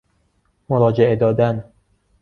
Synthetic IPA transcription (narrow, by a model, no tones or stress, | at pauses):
moɾɒːd͡ʒeʔed̪ɒːd̪æn